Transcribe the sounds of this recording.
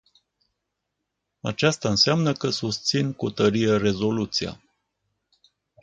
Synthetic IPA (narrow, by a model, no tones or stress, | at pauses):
a̰t͡ʃast̪aɨnseamnəkəsust̪sinkut̪əɾijere̞zo̞lut̪sia̰